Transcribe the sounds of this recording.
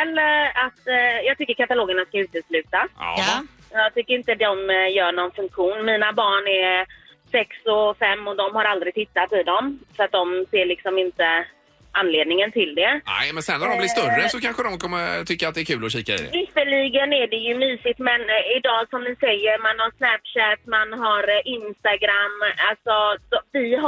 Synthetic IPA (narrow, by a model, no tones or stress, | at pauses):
ɛlːəɾat̪jɑːɡ̚t̪ʏkːəɾkʰat̪aloːɡəɳaskaʉ̟ːt̪əslʉ̟ːt̪a̰ | jɑːɡ̚t̪ʰʏkːəɾɪnt̪əd̪ɔmjœːɳɔnfɵŋkɧuːnmiːnabɑːɳɛɾsɛksɔfɛmːɔd̪ɔmhaɾald̪ɾɪɡ̚t̪ʰɪt̪ːat̪ɪd̪ɔmfœɾat̪̚d̪ɔmseːɭɪksɔmɪnt̪ə | ʔanːleːd̪nɪŋənt̪ʰɪld̪ɛnɛ̰mɛnsɛnːæd̪ɔmblɪʂt̪ɵrːəsɔkʰanɧəd̪ɔmkʰɔmːəɾt̪ʰʏkːəɾat̪̚d̪ɛːɾkʰʉːlɔɕiːkaḭd̪ɛ̰vɪt̪əɭiɡənæɖɛjɵmyːsɪt̪mɛnɪd̪ɑːsɔmnɪsɛjːəɾmanhasnæpʂɛt̪manɦaɾɪnst̪aɡɾamːalt̪sɔsɔvɪɦ